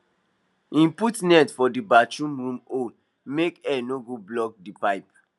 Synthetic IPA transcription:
ĩmputnɛtfɔdibat͡ʃũmɹũmo | mekɛnoɡoblɔk̚dipaɪp̚

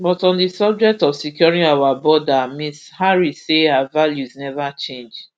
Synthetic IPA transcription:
bɔtɔ̃ndisɔb̚d͡ʒɛk̚tɔfsikjɔɹĩŋawabɔdamishaɹiseaavaljuznɛvat͡ʃẽnd͡ʒ

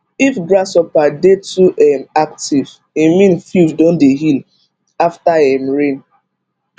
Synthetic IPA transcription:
ifɡɾasɔpadetuʔɛmak̚tiv | imĩnfjufdõndeɦil | aftaɛmɹẽn

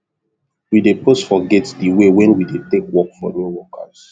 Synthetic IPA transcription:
widepostfɔɡɛtdiwewɛ̃nwidetekwɔkfɔ̰nɔwɔkʰa̰s

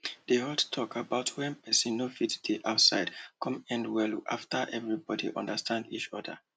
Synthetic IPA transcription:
deɔldtʰɔkʰabaʊtʰwɛ̃npɛsĩnːofitd̥iʔaʊtsaɪd̥kʰɔ̃mɛ̃ndwɛlʔa̰ftʰə˞ʔɛvɹibɔdḭʔɔ̰̃ndəstʰãndḭt͡ʃɔdə̰

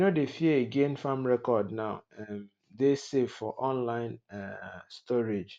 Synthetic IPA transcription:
nodefieeɡẽnfãmɹɛkɔdnaʊɛm | desevfɔ̰ʔɔ̃nlãɪ̃n | stɔɹed͡ʒ

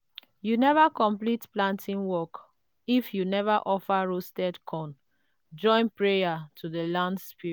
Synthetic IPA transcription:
junɛvakɔ̃mplitplãntʰĩnwɔk | ifjunɛvaʔɔfaɹostɛdkʰɔ̃n | d͡ʒɔ̃ɪ̃npɹejatʰuðəlãndspiɹ

